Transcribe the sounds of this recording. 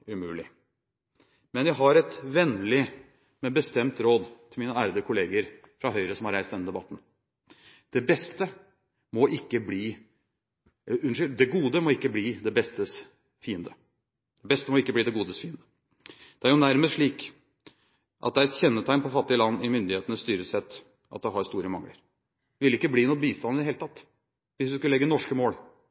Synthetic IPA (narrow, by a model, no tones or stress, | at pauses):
ʉmʉːlɪ | mɛnjæɪɦɑɾɛt̪ʋɛnlɪ | mɛbəst̪ɛmt̪ɾoːd̪t̪ʰɪlmiːnəæːɾəd̪əkʰʊleːɡəɾ | fɾɑɦœʏɾəsɔmhɑɾæɪst̪ɛnɪd̪ɛbɑt̪ːn̩ | d̪̥ɛbɛst̪ə | mɔʔɪkːəbliː | ʉnʂʏld̪ɛɡuːd̪əmɔɪkːəbliːd̪ɛbɛst̪əs | fiːənd̪ə | d̪̥ɛbɛst̪əmɔɪkːəbliːd̪ɛɡuːd̪əsfiːənd̪ə | d̪̥ɛæɾjʊnæɾməst̪ʂɭiːk | ʔɑ̰d̪ɛæɾɛt̪çɛnːət̪ʰæɪnpʰɔfɑt̪ːɪəlɑnːɪmʏnd̪ɪheːt̪ənəst̪yːɾəsɛt̪ː | ʔɑ̰t̪̚d̪ɛɦɑɾst̪uːɾəmɑŋlə̰ɾ | ʋɪlɪkːəbliːnɔbiːst̪ɑnːɪd̪ɛheːlət̪ɑt̪ː | ʋɪsʋɪskʉllɛɡːənɔʂkəmoːɽ